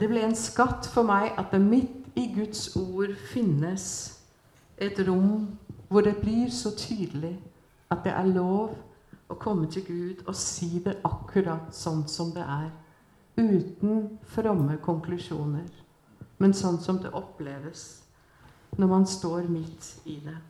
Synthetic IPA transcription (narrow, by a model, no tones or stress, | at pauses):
d̪̥ɛblɪɾɛnskɑt̪ːfɔɾmæɪʔɑt̪̚d̪ɛmɪt̪ːɪɡʉt̪suːɾfɪnːəs | ʔɛt̪ɾʊmʋʊɖɛblɪɾsɔt̪ʰyːd̪əlɪ | ɑt̪̚d̪ɛ̰ʔæɭoːʋ | ʔɔkʰɔmːət̪ʰɪlɡʉːd̪ɔsiːd̪ɛʔɑkʰːʉɾɑt̪sɔnt̪sɔmd̪ɛ̰ʔæɾ | ʉːt̪n̩fɾɑmːəkʰɔŋkʰlʉʂuːnəɾ | mɛnsɔnːsɔmd̪ɛ̰ʔɔpleːʋəs | nɔɾmɑnst̪oːɾmɪt̪ːɪd̪ɛ